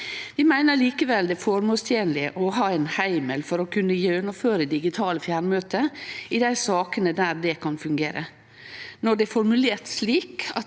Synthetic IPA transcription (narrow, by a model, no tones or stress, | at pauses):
ʋɪmæɪnəɾliːkəʋɛld̪ɛfɔɾmoːlst̪ʰjeːnlɪəʔɔɦɑːɛɪnhæɪməlfɔɾɔkʰʉnːəjøːnəføːɾəd̪ɪɡɪt̪ʰɑːləfjæːɾmøːt̪əɪd̪æɪsɑːkənəd̪æːɾd̪ɛkʰɑnfʉŋɡeːɾə̰ | nɔɖɛfɔɾmʉleːɾt̪sliːkɑt̪